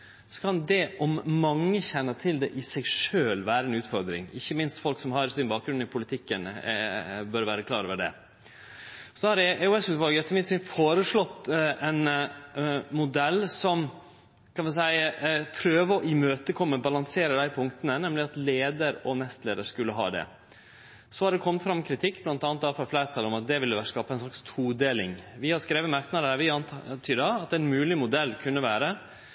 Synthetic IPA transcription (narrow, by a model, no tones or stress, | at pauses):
sɔ̥kʰɑnd̪ɛʔɔmmɑŋːəçɛnːət̪ʰɪld̪ɛʔɪsɛɪʂøːlʋæːɾəɛnʉːt̪fɔɾd̪ɾɪ̰ŋɪ̰çːəmɪnst̪fɔlksɔmhɑɾsɪnbɑːk̚ɡɾʉnːɪpʰʊlɪt̪ʰɪkːən | bœɾʋæːɾəkʰlɑ̰ːɾɔːʋəɖɛ̰ | sɔhɑɾɛɛʊɛsmʉt̪ʋɑlɡəɛt̪ːəmɪt̪sɪnfoːɾəʂɭɔt̪ːʔɛn | mʊd̪ɛlːsɔm | kʰɑnʋɪs̬æɪpʰɾøːʋəɔʔɪmøːt̪əkʰɔmːəbɑlɑŋseːɾəd̪æɪpʰʊŋkt̪ənənɛmlɪɑt̪leːd̪əɾɔnɛst̪lḛːd̪əɾʂkʉlːəɦɑ̰ːd̪ɛ̰ | sɔhɑɾɖ̪ɛkʰɔmːət̪fɾɑmːkʰɾɪt̪ʰɪkːblɑnt̪ɑːnt̪ɑːfɔɾflæɪɾt̪ʰɑlɔmɑt̪̚d̪ɛʋɪlːəʋæɾskɑːpɑɛnslɑkst̪ʰuːd̪eːlɪ̰ŋʋɪhɑɾskɾeːʋəmɑɾkt̪nɑd̪əæɾʋɪɑnt̪ʰyːd̪ɑɑt̪ɛnmʉːlɪmʊd̪ɛlːkʰʉnːəʋæːɾə